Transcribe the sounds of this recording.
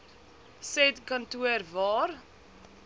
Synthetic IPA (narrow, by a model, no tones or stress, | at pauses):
sɛtkɐntuərvɑːr